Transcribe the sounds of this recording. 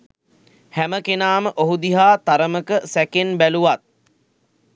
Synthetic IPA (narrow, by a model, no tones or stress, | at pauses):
hæməkenaːməʔoɦud̪iɦaːt̪aɾəməkəsækenbæluʋat̪̚